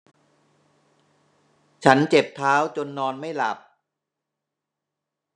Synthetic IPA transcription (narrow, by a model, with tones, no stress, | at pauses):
t͡ɕʰa˦˥nt͡ɕe˨˩p̚t̪ʰaː˦˥wt͡ɕo˧nːɔː˧nma˥˩jla̰˨˩p̚